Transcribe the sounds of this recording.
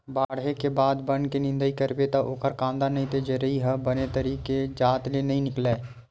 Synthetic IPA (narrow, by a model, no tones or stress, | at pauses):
baːɽɦekebaːd̪bənkenɪ̃nd̪əikəɾbet̪aʔoːkəɾkãːnd̪aɾnɐɦĩt̪ed͡ʒəɾəɦiɦɐbənet̪əɾiːked͡ʒaːt̪lenɐɦĩnɪkleː